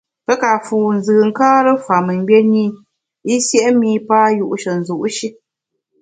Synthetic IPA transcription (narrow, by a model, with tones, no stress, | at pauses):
pɛ˦ka˨fuː˨n̩˨zɨ˨ŋ̩˦kaː˦ɾɨ˦fa˨mɨ˨m̩˦bje˦ni˦˨ | i˦sjɛ˦ʔmiː˦paː˦ju˨ʔʃə˨n̩˨zu˨ʔʃi˦